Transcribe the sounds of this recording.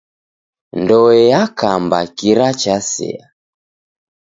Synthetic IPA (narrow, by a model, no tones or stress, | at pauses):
ndɔwɛjakamba̰kiɾat͡ʃasɛ̰a